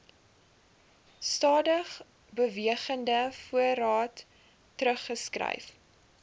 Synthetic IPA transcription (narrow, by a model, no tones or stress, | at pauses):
stɑːdəχ | bəviəχəndəfuəɾɑːtː | rəχːəskrɛ̰jf